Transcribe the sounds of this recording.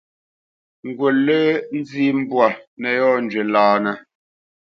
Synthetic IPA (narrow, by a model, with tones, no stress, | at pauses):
ŋ̩˨ɡwo˨lːe˦n̩˦d͡zi˦m̩˦bwa˨nɛ˨jɔː˦˨n̩˨d͡ʒɥe˨laː˨nɛ˦